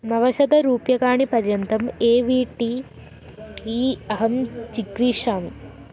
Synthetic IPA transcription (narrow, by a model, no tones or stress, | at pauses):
nɐʋɐɕɐd̪ɐɾuːpjɐɣaːɳipɐɾjɐnd̪ʱɐmeːʋiːʈːi | iːɐɦɐmt͡ʃikɾiːʂaːmu